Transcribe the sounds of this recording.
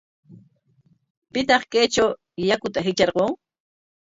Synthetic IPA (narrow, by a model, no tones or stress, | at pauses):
pɪt̪ɑχkejt͡ʃaw | jakʊt̪aɦɪt͡ʃɑɾqoŋ